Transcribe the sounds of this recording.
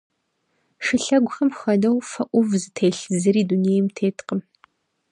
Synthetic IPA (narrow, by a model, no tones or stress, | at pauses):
ʂɨɬɐɡʷʊxɐmxɐdɐwfɐʔʷʊvzɨtʰeːɬɨzɨɾiːdunejmtʰeːtʰqəm